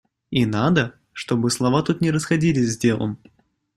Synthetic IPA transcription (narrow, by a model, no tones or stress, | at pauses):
inad̪ə | ʂt̪o̞bɨslˠɐvat̪ut̪nʲɪɾəsxɐdʲilʲɪsʲzʲdʲe̞lˠə̰m